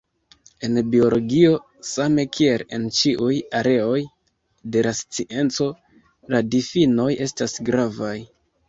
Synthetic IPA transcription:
e̞nbio̞lo̞ɡio̞ | same̞kʰie̞le̞nt͡ʃiʔujaɾe̞o̞j | de̞last͡siʔe̞nt͡so̞ | ladifino̞je̞stasɡɾavaj

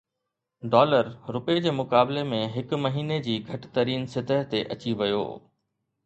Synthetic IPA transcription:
ɖɔːləɾɾʊped͡ʑeːmʊkaːblemẽɦɪkʊmɐɦiːned͡ʑiːɡʱɐʈɪ̥̆t̪ɐɾiːnsɪt̪əɦt̪eʔɐt͡ɕiʋɐjo̰ː

